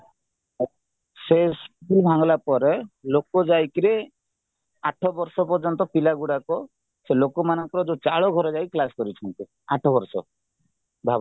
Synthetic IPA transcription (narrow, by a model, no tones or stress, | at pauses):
sespibʱaŋɔlapɔɾelokɔd͡ʒajkɾe | aʈʰɔbɔɾsɔpɔɾd͡ʒɔnt̪ɔpilaɡuɽakɔ | selokɔmanɔŋkɔɾɔd͡ʒot͡ʃaɭɔɡʱɔɾɔd͡ʒajklaskɔɾit͡ʃʰɔnt̪i | aʈʰɔbɔɾsɔ | bʱab